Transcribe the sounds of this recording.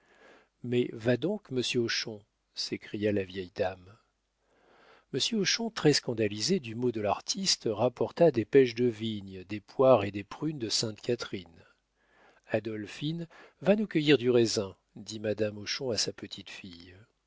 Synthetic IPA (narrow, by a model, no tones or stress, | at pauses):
mɛvad̪ɔ̃kməsjøoʃɔ̃ | sekχijalavjɛjd̪am | məsjøoʃɔ̃t̪χɛskɑ̃d̪alized̪ymod̪əlaʁt̪ʰist̪ʁapɔʁt̪ad̪epɛʃd̪əviɲd̪epwaʁed̪epχynd̪əsɛ̃t̪kʲat̪χin | ad̪ɔlfin | vanukʲəjiʁd̪yʁezɛ̃ | d̪imad̪amoʃɔ̃asapət̪ʰit̪fij